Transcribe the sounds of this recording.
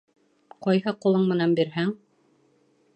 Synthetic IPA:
qɑjɦɤqulˠɤɴmɘ̆nænbiɾɦæŋ

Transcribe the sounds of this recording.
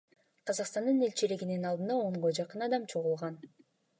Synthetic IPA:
qʰɑzɑqst̪ɑnd̪ɯnelʲt͡ʃiliɡininɑlˠɯnd̪ɑoɴʁod͡ʒɑqɯnɑd̪ɑmt͡ʃʰo̞ʁulˠʁɑn

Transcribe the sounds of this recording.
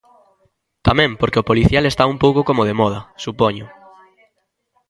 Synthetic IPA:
t̪amɛ̃mpoɾkeopoliθjalest̪aumpowkokomoð̞emɔð̞ɐsupoɲʊ

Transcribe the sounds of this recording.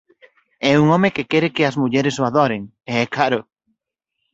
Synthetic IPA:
ɛuŋõmekekɛɾekeɐzmuʎɛɾesoaðoɾeŋ | eɛkaɾʊ

